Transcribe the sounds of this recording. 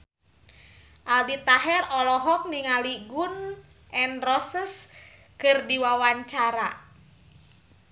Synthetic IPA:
ʔaldit̪aɦɛrɔlɔɦɔk̚niŋaliɡun | ʔɛnrɔsəs | kɨrdiwawaɲt͡ʃaɾa̰

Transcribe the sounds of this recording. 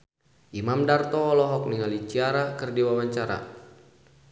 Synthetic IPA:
ʔimamdart̪ɔːlɔɦɔk̚niŋalit͡ʃiaɾakɨrdiwawaɲt͡ʃaɾa̰

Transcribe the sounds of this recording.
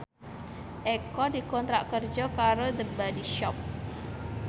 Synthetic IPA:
ʔekɔdikɔnt̪ɾaʔkərd͡ʒɔkaɾod̪əbadiʃɔp̚

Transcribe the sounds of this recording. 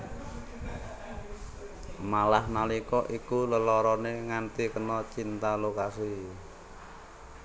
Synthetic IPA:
malahnalikɔʔikuləlɔɾɔneŋant̪ikənɔt͡ʃint̪alokasi

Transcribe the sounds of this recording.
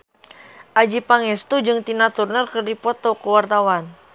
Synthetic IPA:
ʔad͡ʒipaŋɛst̪ud͡ʒɨŋt̪inat̪urnərkɨrdipɔt̪ɔkuwart̪awan

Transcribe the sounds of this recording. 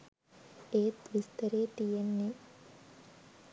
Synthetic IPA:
eːt̪ʋist̪ɐɾeːʈijenːe

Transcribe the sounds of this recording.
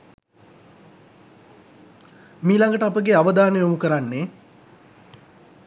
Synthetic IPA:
miːlaŋɡəʈəapəɡeaʋəd̪aːnejomukəɾanːe

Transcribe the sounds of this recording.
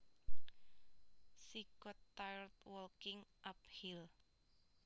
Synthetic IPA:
sikɔt̪ːajrt̪̚wɔlkɪŋʔap̚hil

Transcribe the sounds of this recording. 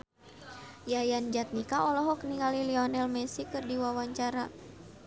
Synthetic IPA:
jajand͡ʒat̪̚nikaɔlɔɦɔkniŋaliliɔnɛlmɛsikɨrdiwawaɲt͡ʃaɾa

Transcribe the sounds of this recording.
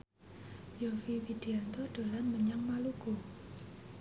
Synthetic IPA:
jofifid̥iant̪ɔɖ̥o̤lanməɲaŋmaluɡ̥o

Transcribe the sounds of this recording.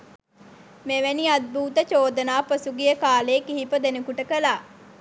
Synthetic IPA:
meʋeniad̪̚buːt̪ət͡ʃoːd̪ənaːpəsuɡijəkaːleːkiɦipəd̪enekuʈəkəlaː

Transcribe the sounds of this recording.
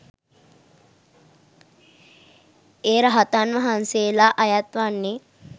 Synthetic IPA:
eːɾəɦat̪anʋəɦanseːlaʔɐjat̪ʋanːe

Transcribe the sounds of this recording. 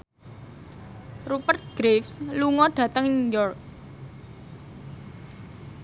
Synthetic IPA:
rupərt̪̚ɡ̥ɾefsluŋɔɖ̥ä̤t̪əŋujɔrk̚

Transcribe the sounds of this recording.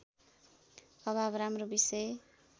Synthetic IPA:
ʌbbɾamrobisʌj

